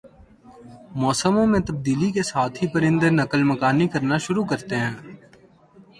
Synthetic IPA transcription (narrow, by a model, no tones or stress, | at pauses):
mɔːsəmõmẽt̪əb̚d̪iːlikesaːt̪ʰɦipəɾɪ̃nd̪enəkəlməkaːnikəɾnaʃʊɾukəɾt̪eɦɛ̃ː